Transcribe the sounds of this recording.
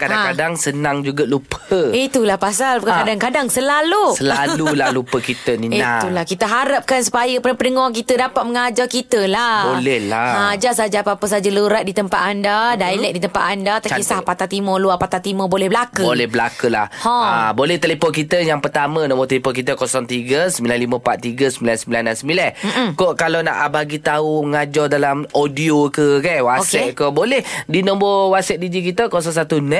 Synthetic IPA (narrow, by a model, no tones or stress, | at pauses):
kadaŋkadaŋsənaŋd͡ʒuɡalupʰəit̪ulahpasalbkakadaŋkadaŋsəlalusəlallulalupəkit̪əniinat̪ulahkit̪əɦaɾap̚kansu̥pajəpəpənəŋɔk̬it̪ədapat̪̚məŋad͡ʒarkit̪əlabolɛhlaad͡ʒasad͡ʒapapəsad͡ʒaluɾat̪̚dit̪əmpat̪andadailɛk̚dit̪əmpat̪andat̪asahpat̪at̪imɔluapat̪at̪imɔbolɛhbəlakəolɛhbəlakəla̰hhoabolɛht̪əlepɔnkit̪əjaŋpərt̪amə̃nɔ̃mbɔt̪əlipɔk̬it̪əkɔsɔŋt̪iɡəsəmbilanliməpat̪̚ːiɡəsəmbilansəmbilandansəmbilɛn̩kɔʔkalana̰ʔabaɡit̪auəŋad͡ʒɔdalamodiokəkanwaosɛʔ̪̚kɔbolɛhdinɔmbɔwasɛt̪̚did͡ʒik̬it̪əkɔs̬ɔŋsat̪unɛʔ̚